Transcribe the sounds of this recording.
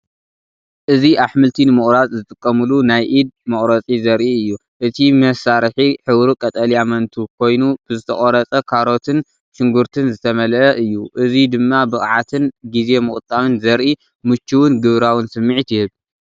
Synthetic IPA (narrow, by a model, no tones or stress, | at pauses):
ʔɨziʔaħmɨlt̪ʰinɨmɨχʼɾazʼzɨt̪ʼɨkʼːɐmɨlunajʔid̪̚mɐχʼɾɐt͡sʼizɐɾʔiɨjːu | ʔɨt̪ʰimɐsaɾħiħɨwɾukʼɐt̪ʼɐliamɐnt̪ʰukʰo̞jnub̥ɨzɨt̪ʰɐχʼoɾɐt͡sʼɐkʰaɾo̞t̪ʰɨn | ʃɪŋɡuɾt̪ʰɨnzɨt̪ʰɐmɐlʔɐʔɨjːuʔɨzid̪ɨmːabɨχʼʕat̪ʰɨnɡize̞mɨkʼɨt̪ʼːamɨnzɐɾʔi | mɨt͡ʃːuwɨnɡɨβɾawɨnsɨmːiʕit̪ʰjɪhɨβ